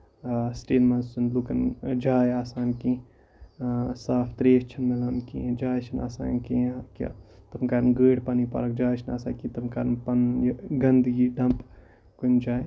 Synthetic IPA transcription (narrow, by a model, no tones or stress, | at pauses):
sʈeːnmɐzsɐnluːkɐnd͡ʒaːjaːsaːnkĩ | saːpʰt̪ɾeːʃt͡ʃʰɐnmelɐnkḭ̃d͡ʒaːjt͡ʃʰɐna̰ːsa̰ːnkikḭt̪ɐmkaːɾɐnɡəːɽpanipa̰ːlɐk̚d͡ʒaːjt͡ʃʰina̰ːsa̰ːkĩt̪ɐmkaːɾɐnpɐnjɡɐnd̪iːɖɐmp | kund͡ʒaːj